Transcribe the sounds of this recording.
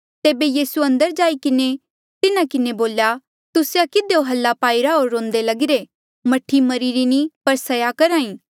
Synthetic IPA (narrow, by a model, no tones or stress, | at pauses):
t̪eːbejiːsuɐ̃nd̪əɾd͡ʒaːikɪne | t̪ɪnakɪneboːlja | t̪ʊsjakɪd̪eoɦɐlːapaːiɾaɦoːɾːõːnd̪elɐɡɪɾe | mɐʈʰːimɐɾiɾinĩpɐɾsɐjakɐɾãːĩː